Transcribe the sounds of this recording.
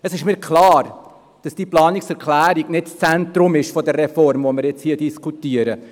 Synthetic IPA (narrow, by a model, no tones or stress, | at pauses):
əsɪʃmiːɾkʰlɑːɾ | d̥ɑsd̥iːplɑːniksɛɾklæːɾiɡ̥nɪtst͡sæntɾʊmɪʃfɔdərːɛfɔrmvɔmɪɾjɛt͡shiːədiskʰutiəɾə